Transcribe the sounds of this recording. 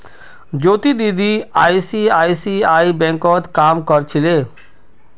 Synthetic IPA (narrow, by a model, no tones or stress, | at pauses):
d͡ʒoːt̪id̪id̪ʱiaːisiaːisiːaːibɛ̃ŋkɔːt̪kaːmkɔɾt͡ʃʰɪleː